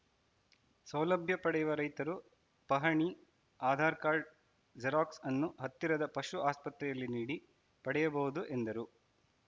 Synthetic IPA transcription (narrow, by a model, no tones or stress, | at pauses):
sɐwlɐbʱjɐpɐɽɛjuʋɐɾɐjt̪ɐɾu | pɐɦɐɳi | aːd̪ʱaːɾkaːɾɖ̚ | d͡ʒɐɾaːksɐnːuɦɐt̪ːiɾɐd̪ɐpɐʃuaːspɐt̪ɾɛjɐlːiniːɽi | pɐɽɛjɐbɐɣud̪uʔe̞nd̪ɐɾu